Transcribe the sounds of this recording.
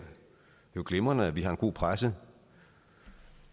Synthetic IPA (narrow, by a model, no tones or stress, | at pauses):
joɡ̥lemɐnəæʋiɦɑ̈e̝nɡ̥o̝̰ːpʰʁasə